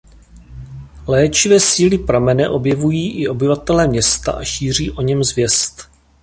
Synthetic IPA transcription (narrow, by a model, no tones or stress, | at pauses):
lɛːt͡ʃɪvɛːsiːlɪpɾamɛnɛʔo̞bjɛvujiːʔɪʔo̞bɪvat̪ɛlɛːmɲɛst̪a̰ʔaʃiːr̝iːʔo̞ɲɛmzvjɛst̪